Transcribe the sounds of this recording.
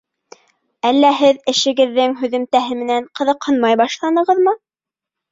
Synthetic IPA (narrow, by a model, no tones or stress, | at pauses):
ælːæɦɘðɘ̆ʃɘ̆ɡɘ̆ðːɘŋɦʉðɘ̆mt̪æɦɘmɘ̆næɴqɤ̆ðɤ̆qhɤnmɑjbɑʃlˠɑnɤ̆ʁɤðmɤ